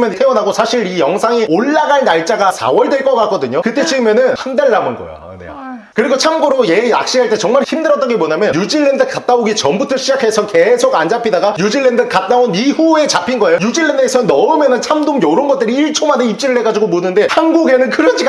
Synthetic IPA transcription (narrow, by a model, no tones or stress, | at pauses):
mjʌntʰe̞ʌnaɡosʰaɕʰiɾijʌŋsʰaŋioɭːaɡaɭnaɭt͡ɕ͈aɡasʰa̰wʌɭdweɭk͈ʌk͈ak͈ʌdɯɲokɯt͈e̞t͡ɕiɡɯmjʌnɯnhandaɭːamonɡʌ̰jo̰ | nḛ | kɯɾiɡot͡ɕʰamɡoɾoje̞a̰k̚ɕ͈iɦaɭt͈e̞t͡ɕʌŋmaɭçimdɯɾʌt͈ʌɡemoɲamjʌnjud͡ʑiɭːe̞ndɯkat̚t͈aoɡit͡ɕʌmbutʰɯɕʰid͡ʑakʰe̞sʰʌke̞sʰoɡand͡ʑapʰidaɡajud͡ʑiɭːendɯkat̚t͈aonihue̞t͡ɕapʰinɡʌejojud͡ʑiɭːendɯesʰʌnʌɯmjʌnɯnt͡ɕʰamdomjoɾonɡʌt͈ɯɾiiɭt͡ɕʰomaneip̚t͡ɕ͈iɾɯɭɦe̞ɡad͡ʑiɡomonɯnde̞hanɡuɡe̞nɯnkɯɾʌt͡ɕʰi